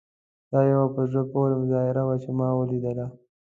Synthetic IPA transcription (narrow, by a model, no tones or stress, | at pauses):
d̪̥ɑːjawapəʒapoɾemʊzɑɪɾawat͡ʃemɑwəlid̪əla